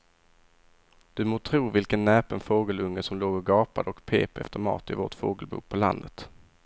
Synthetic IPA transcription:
d̪̥ɵmoːt̪ʰɾuːvɪlkənːɛːpənfoːɡəlɵŋːəsɔmloːɡɔɡɑːpad̪əɔkpʰeːpɛ̰ft̪əɾmɑ̰ːt̪ɪvoːʈfo̰ːɡəlbṵːk̚pʰɔla̰nd̪ət̪

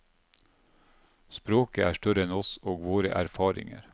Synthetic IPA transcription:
spɾoːkəæːʃʈœɾəɛnɔsoːɡʋoːɾə̰ʔæɾfɑːɾɪ̰ŋə̰ɾ

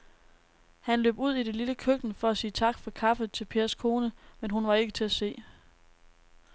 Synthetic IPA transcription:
hænlø̰ːb̥uð̞̰ˠid̥eliləkʰøɡ̥nəfɒ̽æsiːət͡sʰɑ̈ɡ̥fɒ̽kʰɑ̈fəð̩ˠt͡sʰe̝lpʰe̝ːɐskʰo̝ːnəmenɦunʋɑ̈e̝ɡ̥ət͡sʰe̝æse̝̰ː

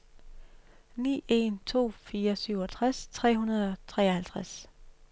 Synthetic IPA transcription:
nḭːe̝nt͡sʰo̝̰ːfiːɐsyʊ̰ɒt͡sʰʁast͡sʰʁɛ̰ːɦunɐðˠɒ̽t͡sʰʁɛ̰ːɐhælt͡sʰʁas

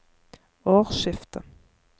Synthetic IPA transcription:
oːʁʃɪft̪ʰə

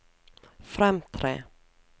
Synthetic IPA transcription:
fɾɛmt̪ʰɾḛː

